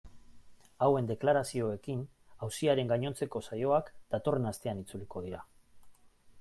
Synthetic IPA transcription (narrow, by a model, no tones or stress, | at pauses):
awe̞nd̪e̞klaɾasio̞e̞kin | awsiaɾe̞ŋɡaɲo̞nt͡se̞ko̞sajo̞akd̪̥at̪o̞re̞nast̪e̞anit͡suliko̞ðiɾa